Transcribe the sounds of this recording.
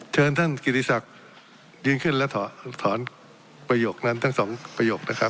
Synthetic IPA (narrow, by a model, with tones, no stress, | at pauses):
t͡ɕʰɤː˧nt̪ʰa˥˩nki˨˩t̪i˧˩sa˨˩k̚ | jɯː˧nkʰɯ˥˩nlɛ˦˥wt̪ʰɔ˩˦t̪ʰɔː˩˦n | pɾa˧joː˨˩k̚na˦˥nt̪ʰa˦˥ŋsɔː˩˦ŋpɾa˧joː˨˩k̚na˦˥kʰa˦˥p̚